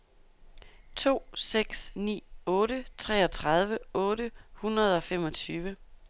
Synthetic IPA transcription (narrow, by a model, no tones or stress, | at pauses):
t͡sʰo̝̰ːseɡ̥snḭːɔ̽ːɾət͡sʰʁɛ̰ːɒ̽t͡sʰʁɑð̞ˠʋəɔ̽ːɾəhunʁɐð̞̩ˠɒ̽fem̰ɒ̽t͡sʰyːʋə